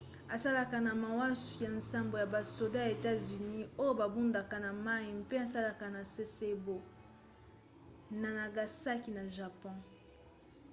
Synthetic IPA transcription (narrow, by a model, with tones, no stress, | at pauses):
a˨sa˦la˨ka˨na˨ma˨wa˦su̥˨ja˨nsa˦mbo˨ja˨ba˨so˨da˦ja˨e˨ta˦zy˨ni˦o˦jo˦ba˨bu˦nda˨ka˨na˨ma˦i˨m̩˦pe˦a˨sa˦la˨ka˨na˨se˦se˦bo˦ | na˨na˨ɡa˨sa˦ki˨na˨ʒa˨pɔ̃˦